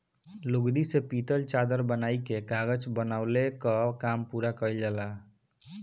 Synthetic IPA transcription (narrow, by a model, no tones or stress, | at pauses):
luɡd̪isepit̪əlt͡ʃad̪əɾbənajkekaɡət͡ʃbənaʊlekəkampuɾakəjld͡ʒəla